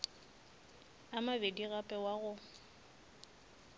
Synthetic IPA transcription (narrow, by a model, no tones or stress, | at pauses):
amabediɣapʼɛwaɣʊ